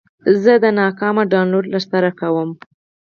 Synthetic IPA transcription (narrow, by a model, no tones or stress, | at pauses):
zəd̪ənɑkɑmaɖɑnloɖlaɾsaɾakawəm